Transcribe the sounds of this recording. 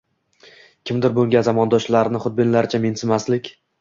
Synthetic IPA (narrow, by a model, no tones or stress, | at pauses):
kʲʰɪmd̪ɪɾbolˠɡʲazamɒnd̪ɒʃlaɾnɪχʊd̪̚bɪnlaɾt͡ʃʰamensɪmaslɪkʲ